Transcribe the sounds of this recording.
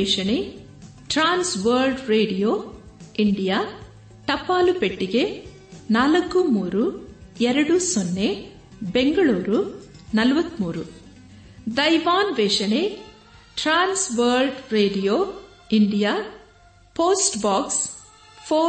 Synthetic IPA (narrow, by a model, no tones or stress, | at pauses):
ɛːʂɐɳe | ʈɾaːnsʋɐɾlɖɾeːɖijoː | iɳɖijaː | ʈɐpːaːlupeʈːiɡe̞ | naːlɐkːumuːɾuɛɾɐɽusonːe | beŋɡɐɭuːɾunɐlɐʋɐt̪ːmuːɾu | d̪ɐjʋaːnʋeːʂɐne | ʈɾaːnsʋɐːɾlɖɾeːɖijoː | iɳɖijaː | poːsʈbaːks | pʰoː